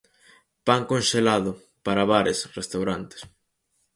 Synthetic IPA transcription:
paŋkonʃelaðʊ | paɾaβaɾesrest̪awɾant̪e̥s

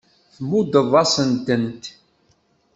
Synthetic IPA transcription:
θmud̪əvˤɑsənt̪ənt̪

